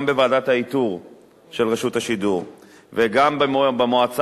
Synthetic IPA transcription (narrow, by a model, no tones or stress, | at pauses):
mbevaːdat̪hait̪uʁ | ʃelʁeʃut̪haʃiduʁ | veɡambbemoat͡s